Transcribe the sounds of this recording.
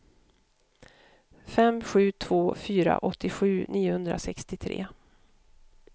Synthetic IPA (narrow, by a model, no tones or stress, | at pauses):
fɛmɧʉ̟ːt̪ʰv̥oːfyːɾa̰ʔɔt̪ʰːɪɧʉ̟ːniːʊhɵnd̪ɾasɛkst̪ɪt̪ʰɾḛː